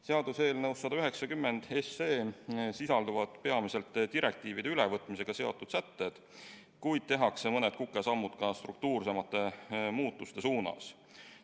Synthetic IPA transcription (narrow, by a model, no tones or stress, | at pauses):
seɑd̪̥use̞ːlnɤwsːɑd̪ɑyɦe̞ksɑkymːe̞nd̪̥esːeːsisɑld̪uvɑd̪pe̞ɑmise̞lt̪ːˑd̪iɾe̞k̚t̪iːvid̪̥e̞ylevɤt̪ːˑmise̞ɡ̥ɑse̞o̞t̪ːˑud̪̥sæt̪ːe̞d̪̥ | kujd̪̥̚t̪e̞ɦɑkse̞mɤnet̪̚kukːˑe̞sɑmːud̪̥kɑst̪ruk̚t̪uːrse̞mɑt̪ːˑe̞muːt̪ːˑust̪e̞suːnɑ̰s